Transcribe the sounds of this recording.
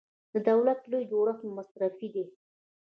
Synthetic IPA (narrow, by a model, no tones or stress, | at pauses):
d̪̥əd̪awlat̪lojd͡ʒoɽaxnamasɾafid̪i